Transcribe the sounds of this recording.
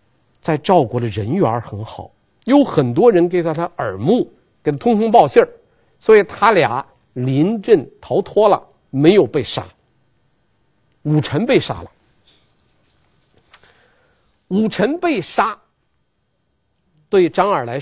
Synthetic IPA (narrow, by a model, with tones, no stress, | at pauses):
t͡sa˥˧ɪʈ͡ʂɑ˥˧ʊkwɔ˧˥d̪ə˧ɻə˧˥nɥɛ˧˥ə˞˧˥xə˧˥nxɑ˨˩˦ʊ | jo˧˥ʊxə˨˩nt̪wɔ˥ɻə˧˥nke˨˩t̪ʰa˥˩t̪ʰa˥ʔə˞˨˩mu˥˩ | ke˨˩t̪t̪ʰʊ˥ŋt̪ʰʊ˥ŋp̬ɑ˥˧ʊɕjə˥˩ | swɔ˧˥i˨˩t̪ʰa˥lja̰˧˥ | li˧˥nʈ͡ʂə˥˩nt̪ʰɑ˧˥ʊt̪ʰwɔ˥lə̰˨ | me˧˥ɪjo˨˩ʊpe˥˩ɪʂa̰˥ | u˨˩ʈ͡ʂʰə˧˥npe˥˧ɪʂa̰˥lə˨ | u˨˩ʈ͡ʂʰə˧˥npe˥˩ɪʂa˥ | t̪we˥˩ɪʈ͡ʂɑ˥ŋə˞˨˩la˧˥ɪ